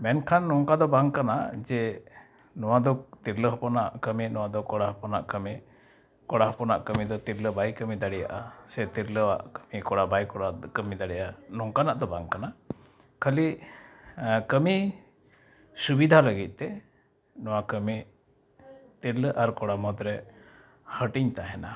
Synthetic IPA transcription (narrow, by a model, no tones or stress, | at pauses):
mɛnkʰanːɔŋkad̪ɔbaŋkana̰d͡ʒɛ | nɔwad̪ɔt̪iɾləɦɔpɔnaʔkəminɔwad̪ɔkɔɽaɦɔpɔnaʔkəmi | kɔɽaɦɔpɔna̰ʔkəmid̪ɔt̪iɾləbajkəmid̪aɽija̰ʔasɛt̪iɾləwa̰ʔkəmikɔɽabajkɔɽakəmid̪aɽɛjanɔŋkanaʔd̪ɔbaŋkana | kʰəli | kəmi | subid̪ʱaləɡit̪̚ˀt̪ɛ | nɔwakəmi | t̪iɾləʔaɾkɔɽamɔd̪ɾɛ | həʈiɲt̪aɦɛna